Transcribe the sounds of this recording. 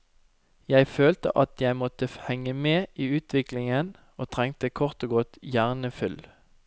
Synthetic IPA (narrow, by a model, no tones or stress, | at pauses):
jæɪføːlt̪ə̰ʔɑt̪jæɪmɔt̪əhɛŋəmeːʔiːʉːt̪ʰʋɪklɪŋən | oːt̪ʰʁɛŋt̪əkʰɔʁt̪oːɡɔt̪jæːʁnəfʏl